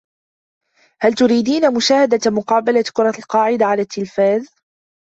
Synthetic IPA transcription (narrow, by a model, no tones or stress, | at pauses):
halt̪ʊɾiːd̪iːnamʊʃaːhad̪amʊqɑːbalakʊɾˤɑlqɑːʕɪd̪aʕalaːt̪ʰːɪlfaːð